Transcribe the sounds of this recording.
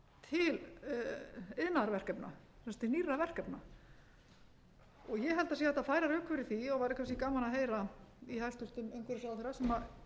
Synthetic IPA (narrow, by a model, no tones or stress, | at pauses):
t̪ʰɪl | ɪðnaaɾvɛr̥kɛpna̰ | θɛst̪ɪniːravɛr̥kɛpna | ɔɣjɛɦɛlt̪asiːaɛt̪afaːjɾaɾʏːkʰvɛɾɪθiɔɣvaɾɪkʰvaskikaːmanaɦeːjɾaihajlst̪ʏlt̪ɪnejŋkʏɾɪsaːw̪θejɾasɛma